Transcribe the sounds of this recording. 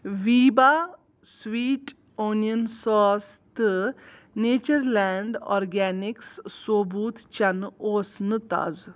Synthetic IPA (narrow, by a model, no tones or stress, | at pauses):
ʋiːbaː | sʋiːʈ | oːnijənsɔːst̪ɨ | neːt͡ʃɐɾlɛːɳɖɔ̰ːɾɡɛːnikssoːbuːt̪ʰt͡ʃɐnoːsnɨt̪a̰ːz